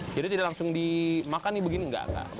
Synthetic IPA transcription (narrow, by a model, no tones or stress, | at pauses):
d͡ʒadit̪idalaŋsʊŋdimakanːibəɡiniŋɡa̰ka̰